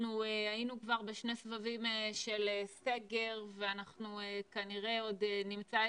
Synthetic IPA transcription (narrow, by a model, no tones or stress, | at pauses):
nuajinukvaʁbe̞ʃne̞svavimeʃe̞lese̞ɡe̞ʁveanaχnuekaniʁe̞o̞denimt͡sa